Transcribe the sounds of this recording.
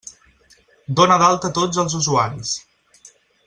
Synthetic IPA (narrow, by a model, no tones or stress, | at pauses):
d̪onəðalˠt̪ət̪od͡zəlˠzuzuaɾis